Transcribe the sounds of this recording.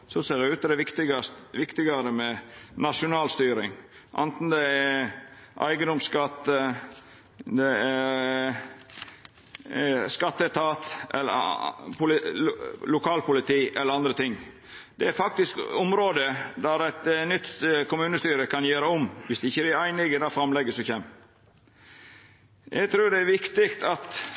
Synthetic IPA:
sɔseːɖɛʉːt̪əd̪ɛɪkt̪ɪɡɑsʋɪkt̪ɪɡɑɾəmɛnɑʂʊnɑːlst̪yːɾɪŋ | ʔɑ̰nt̪n̩d̪ɛæ | ʔæ̰ɪɡəd̪ʊmskɑt̪ːə | d̪ɛæɾ | skɑt̪ːət̪ʰɑːt̪ʔɛ̰lːə̰pʰʊlɪlʊkʰɑːlpʊlɪt̪ʰiːʔɛlːəɾɑnd̪ɾət̪ʰɪŋː | d̪̥ɛæɾfɑk̚t̪ɪskʊmɾoːd̪əd̪æɾæt̪nʏt̪ːkʊmʉːnəst̪yːɾəkɑnjøːɾəɔmʋɪsd̪ɛɪçːəbææɪnɪɡəd̪ɑfɾɑmlɛɡəsɔçɛm | jʔɛ̰ɪɡt̪ʰɾʉːd̪ɛæɾʋɪkt̪ɪkt̪ʰɑt̪

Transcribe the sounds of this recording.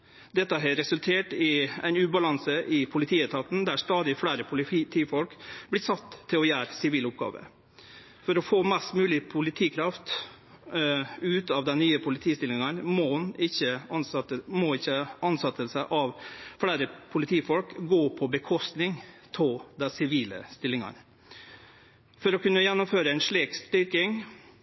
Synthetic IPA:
d̪ɛt̪ːəɦɑɾɛsʉlt̪ʰeːʈɪæ̰ɪnʉːbɑlɑŋsəʔɪpʰʊlɪt̪ʰiːœt̪ʰɑt̪n̩d̪æʂt̪ɑːd̪ɪfɽæːɾəpʰʊlɪt̪ʰiːfɔlkblɪsɑt̪ʰːɪlɔjæːɾsɪʋiːlʊp̚ɡɑ̰ːʋə̰ | fɔɾɔfoːmɛst̪mʉːlɪpʰʊlɪt̪ʰiːkʰɾɑft̪ | ʉːt̪ɑʋd̪ɛnnːyːəpʰʊlɪt̪ʰiːst̪ɪlɪŋɑnmɔnɪçːəɑnəmɔɪçːəɑnsɑt̪ːəlsəʔɑʋfɽæːɾəpʰʊlɪt̪ʰiːfɔlkɡoːpʰɔbəkʰɔst̪nɪŋt̪ʰɔld̪æsɪʋiːlə̰st̪ɪlːɪŋɑ̰n | fɔɾɔkʉnːəjɛnːɔmføːɾəæɪnʂɭiːkst̪ʏɾkɪŋ

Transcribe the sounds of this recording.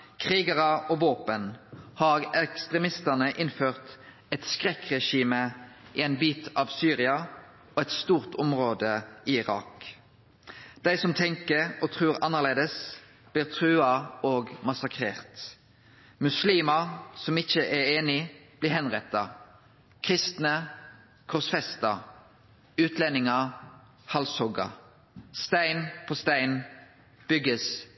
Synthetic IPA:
kʰʁiːɡəʁɑʔɔʋoːpənhɑːʁɛkst̪ʁɛmɪst̪ənəʔɪnføːʁt̪ | ɛt̪skʁɛkʁɛʃiːməiɛnbiːt̪ʰɑʋsyːʁɪɑ | ɔɛt̪st̪uːʁt̪ʰɔmʁoːd̪əiɪʁɑ̰ːk | d̪̥æɪsɔmt̪ʰɛŋkəʁɔt̪ʰʁʉːʁɑnːəʁleːd̪əs | b̥liːʁt̪ʰʁʉːɑoːɡmɑsɑkʰʁeːʁt̪ | mʉsliːməsɔmɪçəʔɛʁeːnɪb̥liːʁhɛnʁɛt̪ːɑ | kʰʁɪst̪nə | kʰʊsfɛst̪ɑ | ʉːt̪ʰlɛnɪŋɑ | hɑlshɔɡɑ̰ | st̪æɪnpʰoːst̪æɪn | b̥ʏɡəs

